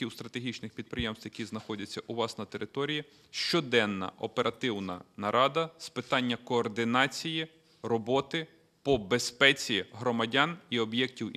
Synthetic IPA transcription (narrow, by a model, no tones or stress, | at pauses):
iwst̪ɾɐt̪eɦʲit͡ʃnɪxpʲid̪̚pɾɪjɛmst̪ʋjɐkʲiznɐxɔdʲɐt͡sʲːɐʔuʋɑsnɐt̪eɾʔɪt̪ɔɾʲiji | ʃt͡ʃɔd̪ɛnːɐ̰ɔpe̞ɾɐt̪ɪwnɐ̰nɐɾʔɑd̪ɐspɪt̪ɑnʲːɐkɔːrd̪ɪnɑt͡sʲiji | rɔbɔt̪ɪ | pɔbespɛt͡sʲiɦɾɔmɐdʲɑniɔbjɛktʲiw